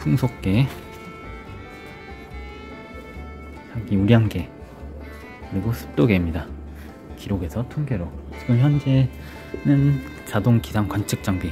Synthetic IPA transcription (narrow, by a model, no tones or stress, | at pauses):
pʰuŋsʰok̚k͈e̞ | aɡiuɾjaŋɡe̞ | kɯɾiɡosʰɯ̥p̚t͈oɡe̞mɲida | kiɾoɡe̞sʰʌtʰuŋɡeɾot͡ɕiɡɯmçjʌnd͡ʑe̞ | nɯn | t͡ɕadoŋkisʰaŋkwant͡ɕʰɯk̚t͡ɕ͈aŋɡi